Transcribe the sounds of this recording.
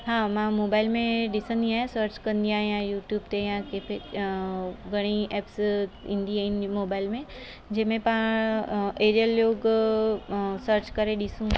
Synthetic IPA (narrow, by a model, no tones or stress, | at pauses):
ɦaːmãmoːbaːɪlmẽɗɪsə̃nd̪iaːɦesəɾt͡ɕkɐ̃nd̪iaːɦĩãjuːʈjuːbt̪ejãkepʰe | ɡʱɐɽ̃iɛːpsḭ̃ːnd̪iaĩnmoːbaːɪlmẽ | d͡ʑɐɦmẽpã | eːɾijəljoːɡ | səɾt͡ɕkɐɾeɗɪsũ